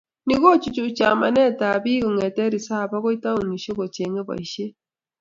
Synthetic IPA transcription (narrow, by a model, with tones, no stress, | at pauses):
ni˨ɣo˦t͡ʃi˨t͡ʃu˨t͡ʃa˨ma̰˨nɛ˦˨ta˨βi˦ɣo˨ŋe˨tɛ˦ɾi˨sa˦˨βa˦ɣo˦i˦ta˦u˨ni˨ʃe˦ko˨t͡ʃe˨ŋe˦βa̰˨i˨ʃe˦